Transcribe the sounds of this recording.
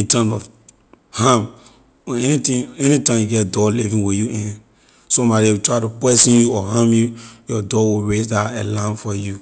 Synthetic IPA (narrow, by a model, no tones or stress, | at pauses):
ĩtãmɔv | hãm | ɛnitĩɛnitãɪ̃mjuɡɛtdɔlivĩwijuĩn | somaɾiewutɹatupɛsĩnjuɔɦãmjujɔdɔwiɹezdaelãnfɔju